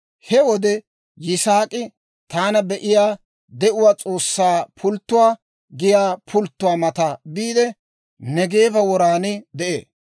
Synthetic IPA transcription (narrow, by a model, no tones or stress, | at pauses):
hɛwɔd̪ɛ | jɪsaːkʼɪ | t̪aːnɐbɛʔɪjaː | d̪ɛʔʊwaːt͡sʼo̞ːsːaːpʰʊlt̪ːʊwaː | ɡɪjaːpʰʊlt̪ːʊwaːmɐt̪ɐbiːd̪ɛ | nɛɡeːbɐwɔɾaːnɪd̪ɛʔḛː